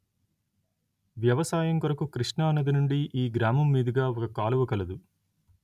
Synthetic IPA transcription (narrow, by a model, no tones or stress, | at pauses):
ʋjɐʋɐsaːjɐŋkɐɾɐkukɾiʂɳɐɐnɐd̪inuɳɖiʔiːɡɾaːmɐmːiːd̪iɡaːɔkɐkaːluʋɐkɐlɐd̪u